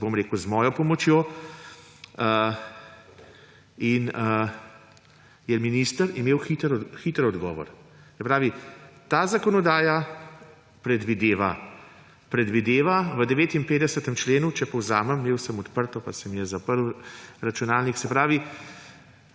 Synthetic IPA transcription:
bomɾeːkuzmɔːjɔpɔmɔt͡ʃjoː | ə | inə | jɛminiːst̪əɾimeːwxit̪əɾxit̪ɾɔd̪ɡɔːʋɔ̰ɾsɛpɾaːʋit̪aːzakɔnɔd̪aːja | pɾɛd̪ʋid̪eːʋa̰ | pɾɛd̪ʋid̪eːʋaʋəd̪ɛʋeːt̪impeːd̪ɛsət̪əmt͡ʃleːnut͡ʃɛpɔwzaːməmːeːwsəmɔt̪pəɾt̪ɔpasəmjɛzapəɾwɾat͡ʃunaːlniksɛpɾaːʋi

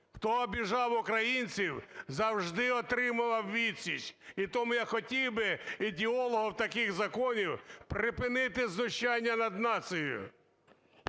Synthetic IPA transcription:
xt̪ɔːbʲiʒɑwʊkɾɐjinʲt͡sʲiwzɐwʒd̪ɪɔt̪ɾɪmʊʋɐwʋʲisʲit͡ʃit̪ɔmʊjaxɔtʲiwbɪidʲɪɔlˠɔɦɔwt̪ɐkɪɣzɐkɔnʲiwpɾɪpɪnɪt̪ɪznʊʃt͡ʃɑnʲːɐnɐd̪nɑt̪sɪjʊ̰

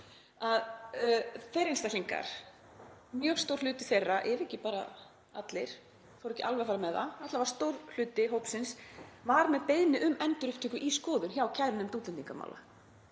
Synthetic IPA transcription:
að | θejɾenst̪aliŋka̰ɾ̥ | mjœːɣst̪owr̥lʏːt̪ɪθejrːaʔɛvɛhcːɪpaːɾa̰ | at̪lɪɾ̥ | θawɾɛhcːɪalvɛfaɾamɛða̰at̪lavaɾ̥st̪owɾ̥l̥ʏːt̪ɪɦowpsɪnsvaɾmɛðpejðnɪʔʏmɛnt̪ʏɾʏhpt̪ɪːkʏʔiskɔːðʏnçaːwcʰaðɾɪnɛmt̪uːt̪lɪnt̪ːiŋkama̰ːwla̰

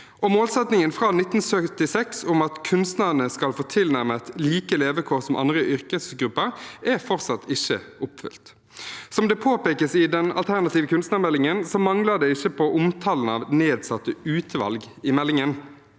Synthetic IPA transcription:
ɔmoːlsɛt̪nɪŋənfɾɑnɪt̪ːn̩sœt̪ɪsɛksʊmɑt̪kʰʉnst̪nɑd̪nəskɑlfoːt̪ʰɪlnæʁmət̪liːkəleːʋəkʰoːʁsɔmʔɑ̰nd̪ʁəʔʏʁkəsɡɾʉpːəɾɛfɔʁt̪sɑt̪ɪçːəʊpfʏ̰lt̪ | sɔmd̪ɛpʰoːpeːkəsɪd̪ɛnɑ̰lt̪ʰæʁnɑt̪iːʋəkʉnst̪nɑmɛlːɪŋənsɔmɑŋləd̪ɛɪçːəpʰɔʔʊmt̪ʰɑln̩ɑ̰ʋneːd̪sɑt̪ːəʉːt̪ʰəʋɑ̰lɡ | ɪmɛlːɪŋən

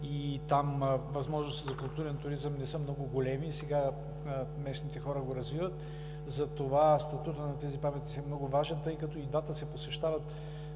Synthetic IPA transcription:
it̪amvɐzmɔʒnost̪izɐkʊlˠt̪uɾɛnt̪ʊɾizəmnɛsɤmnɔɡʊɡolɛmisɛɡa | mɛsnit̪ɛxɔɾəɡoɾɐzvivət̪ | zɐt̪ovast̪ɐt̪ut̪ənɐt̪ɛzipamɛt̪i̥sɛmnɔɡʊvaʒɛnt̪ɤjkɐt̪ɔid̪vat̪əsɛposɛʃt̪avɐt̪

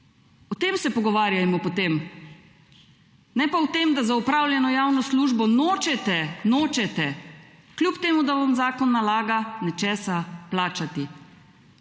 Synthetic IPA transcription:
ɔt̪eːmsɛpɔɡɔʋaːɾjajmɔpɔt̪eːm | nɛpaut̪eːmd̪azaupɾaːwljɛnɔjawnɔsluːʒbɔnoːt͡ʃɛt̪ɛnoːt͡ʃɛt̪ɛ | kljupt̪eːmud̪aʋamzaːkɔnːalaːɡanɛt͡ʃɛːsaplaːt͡ʃat̪i

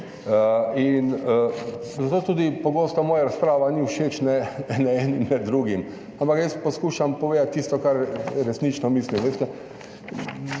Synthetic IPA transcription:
inəzat̪oːt̪uːd̪ipoɡoːst̪ɔmoːjaɾaspɾaːʋaniuʊʃeːt͡ʃnɛnɛɛːnimnɛd̪d̪ɾuɡim | ampakjɛsposkuːʃampɔʋeːd̪at̪̚ʲt̪ːiːst̪ɔkaɾɾɛsnit͡ʃnɔmislimʋeːst̪ɛ

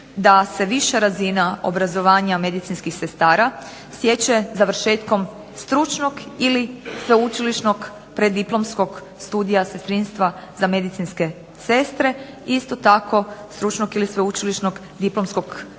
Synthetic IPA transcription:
d̪ase̞ʋiʃaɾazinao̞̰bɾazo̞ʋaːɲame̞d̪it̪sinskixse̞st̪aːɾa | sje̞t͡ɕezaʋɾ̩ʃeːt̪ko̞m | st̪ɾut͡ʃnoɡilisʋeut͡ʃiliʃnoɡ | pɾed̪iplˠo̞msko̞ɡ | st̪uːd̪ijasest̪ɾinst̪ʋazame̞d̪it̪sinske̞ | se̞st̪ɾe̞ | ist̪o̞t̪akʰo̞st̪ɾut͡ʃnoɡilisʋeut͡ʃiliʃnoɡ | d̪iplo̞msko̞ɡ

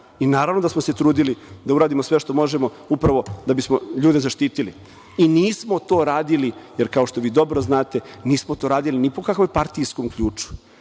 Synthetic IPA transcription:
inaːɾaʋno̞d̪asmose̞t̪ɾuːd̪ilid̪auɾaːd̪imosʋe̞ʃt̪o̞mo̞ʒemo̞ | upɾaʋo̞d̪abismoʎuːd̪e̞zaʃt̪iːt̪ilḭ | iniːsmo̞t̪o̞ːɾaːd̪ilijeɾkao̞ʃt̪o̞ʋiːd̪o̞bɾoznaːt̪e̞niːsmot̪oɾaːd̪ilinipo̞kakʋojpaɾt̪ijskomkʎuːt͡ʃu̥

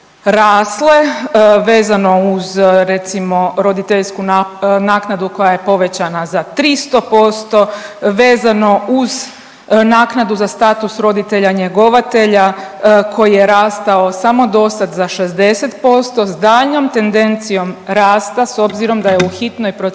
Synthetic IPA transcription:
ɾaːslˠe̞ʋe̞ːzano̞uzɾe̞t̪simo̞ɾo̞d̪it̪eʎskunnaːknad̪uko̞jaje̞po̞ʋe̞t͡ɕanazat̪ɾist̪o̞po̞st̪o̞ʋe̞ːzano̞uz | naːknad̪uzast̪aːt̪usɾo̞d̪it̪e̞ʎaɲe̞ɡo̞ʋat̪e̞ʎakʰo̞jijeɾaːst̪ao̞samo̞d̪o̞st̪ad̪zaʃezd̪e̞set̪po̞st̪o̞zd̪aːʎno̞mt̪e̞nd̪e̞nt̪sijo̞mɾaːst̪aso̞bziɾo̞md̪ajeuxit̪nojpɾo

